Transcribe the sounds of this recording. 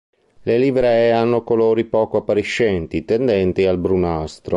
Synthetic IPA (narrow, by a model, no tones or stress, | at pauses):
lelivɾɛanːokoloːɾipɔːkoapːaɾiʃːɛnt̪it̪end̪ɛnt̪ialbɾunast̪ɾo